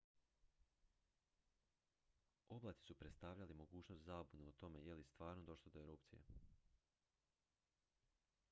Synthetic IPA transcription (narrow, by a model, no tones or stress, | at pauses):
o̞blˠaːt̪i̥supɾet̪t̪aːʋʎalimo̞ɡuːt͡ɕnost̪zaːbuneut̪o̞me̞jelist̪ʋaːɾnod̪o̞ʃlˠod̪oeɾupt̪sijḛ